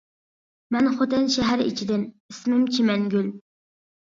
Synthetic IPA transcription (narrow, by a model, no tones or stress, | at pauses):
mɛnχot̪ɛnʃɛɦæɾḭt͡ʃʰid̪ɪn | ismɪmt͡ʃʰimɛŋɡʲyl